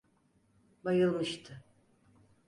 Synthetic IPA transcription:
bajɯlˠmɨʃt̪ʰɨ

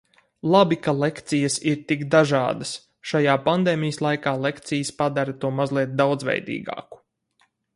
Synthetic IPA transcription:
lˠabikalˠekt̪sijɐsiɾt̪ikd̪aʒɑ̰ːd̪ɐs | ʃajaːpand̪eːmijəslˠajkaːlˠekt̪sijəspad̪aɾɐt̪uɔmazlˠiɛt̪̚d̪awd̪zvɛ̰jd̪ḭːɡɑ̰ːku̥

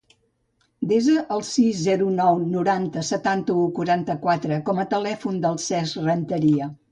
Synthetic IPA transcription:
d̪ezəʔəlˠsizzɛɾunɔwnuɾant̪əsət̪ant̪əukuɾant̪əkwat̪ɾəkɔmət̪əlɛfund̪əlˠsɛzrənt̪əɾiə

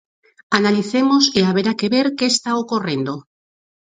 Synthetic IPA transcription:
analiθe̞mosiaβeɾakeβe̞ɾkeːst̪aokore̞nd̪o

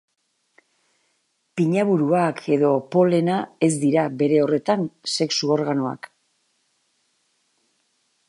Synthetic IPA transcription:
piɲaβuɾuakʰe̞ðo̞po̞le̞nae̞zd̪iɾabe̞ɾe̞o̞re̞t̪anse̞ksuo̞ɾɣano̞a̰k

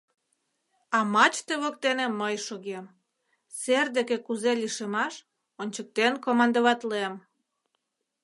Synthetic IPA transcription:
ɑmɑt͡ɕt̪eβok̚t̪eneməjʃoɣem | serd̪ekekuzeliʃemɑʃ | onʲt͡ɕək̚t̪enkomɑnd̪əβɑt̪lem

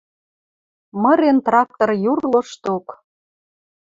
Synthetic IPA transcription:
mə̆ɾent̪rɑk̚t̪orjurlɤ̆ʃt̪ok

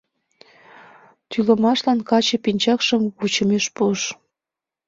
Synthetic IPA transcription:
t̪yləmɑʃlɑnkɑt͡ɕəpinʲt͡ɕɑkʃəmβut͡ɕəmeʃpuʃ

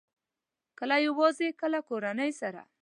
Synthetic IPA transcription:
kəlajawɑzekəlakoɾanəjsaɾa̰

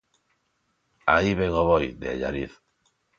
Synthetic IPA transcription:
a̰iβeŋoβojd̪ea̰ʎa̰ɾiθ

